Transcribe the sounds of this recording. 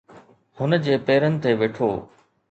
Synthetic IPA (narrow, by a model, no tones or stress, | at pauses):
hʊnə̆d͡ʑeːpeːɾənɪ̆t̪eʋeːʈʰo̰ː